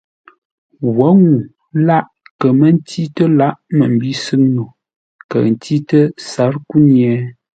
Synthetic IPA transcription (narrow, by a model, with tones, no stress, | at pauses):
wɔ˨˦ŋu˨ | la˦ʔ | kə˨mə˦n̩˦ti˦tə˦la˦ʔmə˨m̩˨bi˦sɨ˦ŋno˨ | kə̰˨n̩˨ti˦tə˦sa˨˦ɾku˦njɛ˨˦